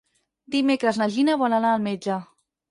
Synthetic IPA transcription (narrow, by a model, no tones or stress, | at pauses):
d̪imekɾəznaʒinaβɔlanaːlmed͡ʒə